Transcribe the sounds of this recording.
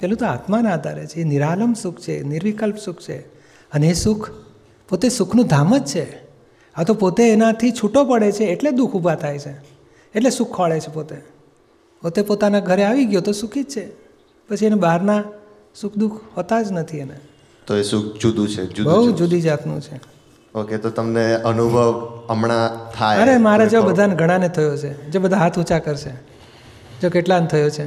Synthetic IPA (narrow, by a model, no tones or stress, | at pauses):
kelũt̪oat̪manad̪ʱa̰ɾḛt͡ʃʰeːniɾaləmsukʰt͡ʃʰeniɾʋikəlpsukʰt͡ʃʰḛ | əneːsukʰ | pot̪esukʰnũd̪ʱaməd͡ʒt͡ʃʰe | at̪opot̪eːnat̪ʰit͡ʃʰuʈopəɽet͡ʃʰeːʈled̪ukʰubʱat̪ʰajt͡ʃʰe | eʈlesukʰːaɭet͡ʃʰepot̪e | pot̪epot̪anaɡʱəɾeaʋiɡjot̪osukʰid͡ʒt͡ʃʰe | pət͡ʃʰienebaɦaɾna | sukʰd̪ukʰhot̪ad͡ʒnət̪ʰiene | t̪oesũk̚d͡ʒud̪ũt͡ʃʰḛd͡ʒubəɦud͡ʒud̪id͡ʒat̪nṵ̃t͡ʃʰe | oket̪ot̪əmneənubʱəʋəmɳat̪ʰajəɾemaɾed͡ʒobəd̪ʱaneɡʱəɽ̃anet̪ʰəjot͡ʃʰed͡ʒobəd̪ʱaɦat̪ʰut͡ʃakəɾʃe | d͡ʒokeʈlant̪ʰəjot͡ʃʰe